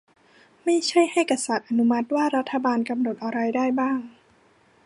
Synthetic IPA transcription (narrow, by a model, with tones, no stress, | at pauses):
ma˥˩jt͡ɕʰa˥˩jha˥˩jka˧sa˨˩t̪̚ʔa˧nu˦˥ma˦˥t̪̚waː˥˩ɾa˦˥t̪ʰːa˧baː˧nka˧mno˨˩t̪ʔa˧ɾa˧jdaː˥˩jbaː˥˩ŋ